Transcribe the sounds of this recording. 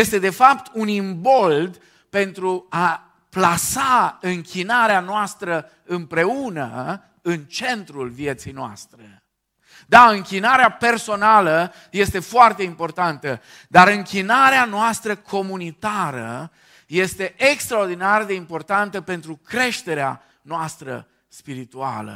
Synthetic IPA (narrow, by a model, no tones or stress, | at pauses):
jest̪e̞d̪e̞fapt̪ʰunimbo̞ld̪ | pe̞nt̪ɾua | plasaɨŋkʲʰinaɾeanoast̪ɾə | ɨmpɾe̞unə̰ | ɨnt͡ʃe̞nt̪ɾulvije̞t̪sijnoa̰st̪ɾe | d̪aɨŋkʲinaɾeape̞rso̞nalə | je̞st̪e̞foart̪e̞impo̞rt̪ant̪ə | d̪aɾɨŋkʲinaɾeanoast̪ɾəkʰo̞munit̪aɾə̰ | je̞st̪e̞ʔekst̪ɾaord̪inard̪e̞impo̞rt̪ant̪əpe̞nt̪ɾukɾe̞ʃt̪e̞ɾea̰ | noast̪ɾə̰ | spiɾit̪ua̰lə̰